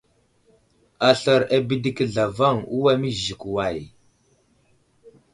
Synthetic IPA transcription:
a˨ɬa˨ɾa˨bi˦di˦kə˦ɮa˨va˦ŋu˦wa˦mi˦zi˨kwa˨j

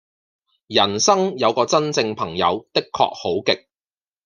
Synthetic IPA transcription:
jɐ˨˩nsɐ˥ŋjɐ˨˧wkɔː˧t͡sɐ˥nt͡sɪ˧ŋpʰɐ˨˩ŋjɐ̰˨˧wt̪ɪ˥kʰːɔ̰ː˧k̚ho˨˥wkɪ˨k̚

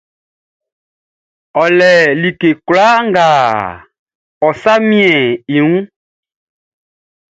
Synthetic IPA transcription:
ɔ˨lɛ˨li˨ke˨kwla˦ŋɡa˨ | ɔ˨sa˦mĩ˦ɛ̃˨i˨ŋũ˦

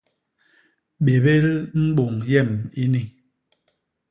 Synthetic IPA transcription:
ɓe˨be˦ɾm̩˦ɓo˨ŋjɛ˦˨mi˦ni˦˨

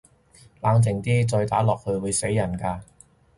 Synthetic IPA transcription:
laː˨˧ŋt͡sɪ˨˩ŋt̪iː˥t͡sɔː˧jt̪aː˨˥lɔː˨k̚hɵ˧ɥwuː˨˧jse˨˥jːɐ˨˩nkaː˧

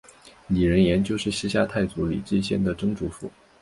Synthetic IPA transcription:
ni˨˩ɻə˧˥njɛ˧˥nt͡ɕjo˥˧ʊʂɻ̩˥˩ɕi˥ɕja˥˧t̪ʰa˥˩ɪt͡su˧˥lḭ˨˩ʈ͡ʂ̩˥˧ɕjɛ˥˩nd̪ə˩ʈ͡ʂɤ˥ŋʈ͡ʂu˧˥fṵ˨˩˦

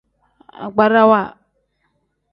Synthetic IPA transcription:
a̰˨ɡ͡ba˦ɾa˦wa˦˨

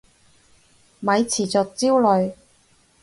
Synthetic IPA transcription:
mɐ˨˧jt͡sʰiː˨˩t͡sɔː˨k̚t͡siː˥wlɵ˨˧ɥ

